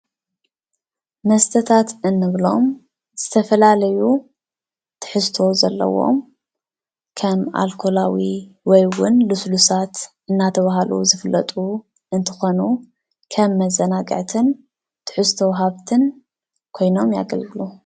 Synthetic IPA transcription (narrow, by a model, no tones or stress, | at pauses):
mɐst̪ʰɐt̪ʰat̪ɨnːɨβlo̞m | z̥ɨt̪ʰɐfɐlalɐju | t̪ʰɨ̥ħɨst̪ʰo̞zɐlːɐ̰wo̞̰m | kʰɐma̰lkʰo̞lawi | wɔjwʊnluslusat̪ʔɨnːat̪ʰɐβaɦalṵzɨfɨlːɐt̪ʼu | ʔɨnt̪ʰɨ̥xo̞nu | kʰɐmːɐzɐnaɡʼɐ̰ʕt̪ʰɨn | t̪ʰɨ̥ħɨst̪ʰɐwɦaβt̪ʰɨn | kʰo̞jno̞mja̰ɡɐ̰lɡɨlu